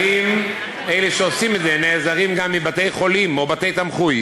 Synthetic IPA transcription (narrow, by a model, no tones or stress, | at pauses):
im | ejleʃeo̞simet̪zeneːzaʁimɡamːibat̪e̞jχo̞limo̞bat̪e̞jt̪amχuj